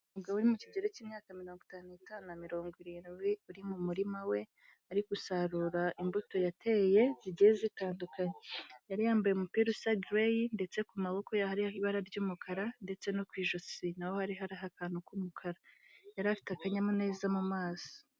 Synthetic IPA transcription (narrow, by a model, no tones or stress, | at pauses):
muɡaβoɾimuciɡɟe̞ɾeciːmɲaːkamiɾo̞ːŋɡutaːnuitaːnunamiɾo̞ːŋɡwiɾiːnɡɡwiuɾimumuɾimawe̞ | aɾikusaɾuɾaʔimbuto̞jatʰe̞je̞ziɟijezitaːndukaɲejaɾijaːmbajemupiɾusaɡɾejnde̞t͡se̞kumaβo̞ko̞jahaɾihaiβaɾaɾɟuːmukʰaɾande̞t͡se̞nokwiːʒosinawo̞haɾiɦaɾaɦakaːnhukumukʰaɾajaɾafi̥takaɲamune̞ːzamumaːso̥